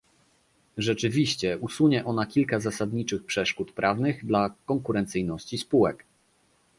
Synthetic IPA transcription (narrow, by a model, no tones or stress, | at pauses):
ʐɛt͡ʂɘvʲiɕt͡ɕɛʔusuɲɛʔɔnakʲilkazasad̪ɲit͡ʂɘxpʂɛʂkut̪pɾʔavnɘɣd̪lakɔŋkuɾɛnt̪sɘjnɔɕt͡ɕispuwɛk